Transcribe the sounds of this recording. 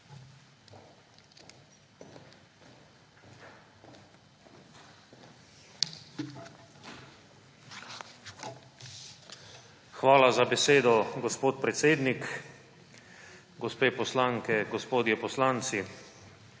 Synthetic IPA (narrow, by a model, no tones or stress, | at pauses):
xʋaːlazabɛseːd̪ɔɡɔspoːt̪pɾɛt̪seːd̪nik | ɡɔspeːpɔslaŋkɛɡɔspoːd̪jɛpɔslant̪si